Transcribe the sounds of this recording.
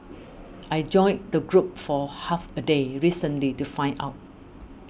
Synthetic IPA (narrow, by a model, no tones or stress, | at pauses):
ʔajd͡ʒɔ̃ɪj̃ndəɡɹup̚fɔhafədeɹisə̃nlitufãɪ̃na̰ʊt̚